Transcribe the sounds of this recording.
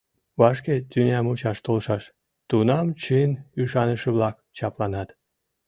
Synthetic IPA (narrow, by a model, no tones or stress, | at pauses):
βɑʃket̪ynʲæmut͡ɕɑʃt̪olʃɑʃ | t̪unɑmt͡ɕɨnyʃɑnəʃəβlɑk̚t͡ɕɑplɑnɑt̪